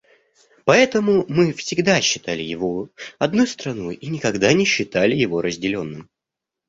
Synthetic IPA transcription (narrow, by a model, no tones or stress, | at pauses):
pɐɛt̪əmʊmɨfsʲɪɡd̪aɕːɪt̪alʲɪjɪvo̞ɐd̪nujst̪ɾɐnojinʲɪkɐɡd̪anʲɪɕːɪt̪alʲɪjɪvo̞ɾʔəzʲdʲɪlʲo̞nːɨm